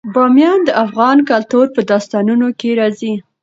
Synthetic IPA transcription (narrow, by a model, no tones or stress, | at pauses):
bɑmjɑnd̪əʔafɣɑnkalt̪oɾpəd̪ɑst̪ɑnunokeɾɑzi